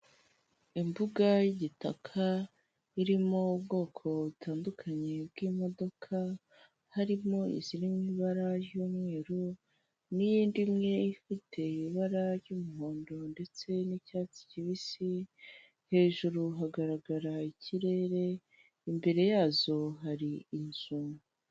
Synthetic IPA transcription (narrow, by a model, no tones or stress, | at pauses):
imbuɡajiɟita̰kʰa | iɾimo̞ubɡo̞ːkʰo̞βutʰaːndukʰaɲe̞b̚ɡimo̞do̞kʰa | haɾimo̞ḭziɾimiːβaɾaɾjomŋeːɾo | nijiːndimŋe̞ifitʰe̞iβaɾaɾjuːmuɦoːndo̞nde̞t͡se̞nicaːt͡si̥ciβisi | he̞ːʒuɾuɦaɡaɾaɡaɾaiciɾe̞ɾe̞ | imbe̞ɾe̞jaːzo̞ɦaɾiinz̥umu